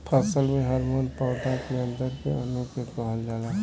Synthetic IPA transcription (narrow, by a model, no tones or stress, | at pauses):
pʰəsəlmẽɦəɾmoːnpaːʈakeə̃nd̪əɾkḛənokəkəɦəld͡ʒaːlaː